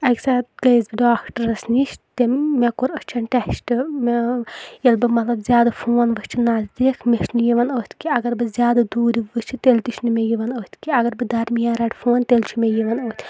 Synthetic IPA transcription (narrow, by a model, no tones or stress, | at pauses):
ɐkʲsaɡɐjzbiɖaːkʈɐɾɐsniʃt̪emekoɾəst͡ʃʰɐnʈɛʃʈɨm | jɐlbɨmɐt̪lɐbzʲjaːd̪ɐfʰoːnʋɨsʲt͡ʃʰinaːzd̪ikʰmeʃnɨjiʋɐnoːt̪ʰʲkʲiɐɡɐɾbɨzʲjaːd̪ɐd̪uːɾʲiʋɨst͡ʃʰit̪elʲt̪iʃʰnɨmʲejiʋɐnoːt̪ʲʰkʲiɐɡɐɾbɨd̪ɐɾmijaːɾɐʈʲfʰoːnʲt̪elʲt͡ʃʰimʲejiʋɐnoːt̪ʰʲ